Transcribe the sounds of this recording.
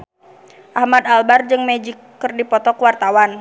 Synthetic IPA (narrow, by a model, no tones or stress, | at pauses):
ʔahmad̪albard͡ʒɨŋmɛd͡ʒikːɨrdipɔt̪ɔkəwart̪awan